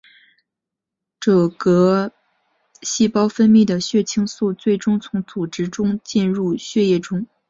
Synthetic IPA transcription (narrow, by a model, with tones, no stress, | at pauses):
ʈ͡ʂɤ˨˩kɤ˧˥ | ɕi˥˩pɑ˥ʊfə˥nmi˥˩d̪ə˩ɕɥɛ˥˩t͡ɕʰi˥ŋsu˥˧t͡swe˥˩ɪʈ͡ʂʊ˥ŋt͡sʰʊ˧˥ŋt͡su˨˩ʈ͡ʂɻ̩˧˥ʈ͡ʂʊ˥ŋt͡ɕi˥˧nɻu˥˧ɕɥɛ˥˧jɛ˥˩ʈ͡ʂʊ˥ŋ